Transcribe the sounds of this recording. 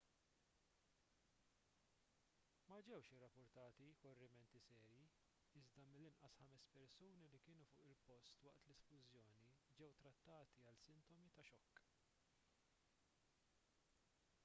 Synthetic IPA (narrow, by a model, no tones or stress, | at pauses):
mɐd͡ʒɛwʃɪrːɐpːʊɾt̪ɐːt̪ikɔrːɪmɛnt̪isɛːɾji | ɪzd̪ɐmɪlːɪnʔɐsħɐmɛspɛɾsuːnilikɪːnufʊːʔɪlpɔst̪wɐʔt̪lɛsplʊzjɔːnid͡ʒɛwt̪ɾɐt̪ːɐːt̪iɐlsɪnt̪ɔmit̪ɐʃɔkː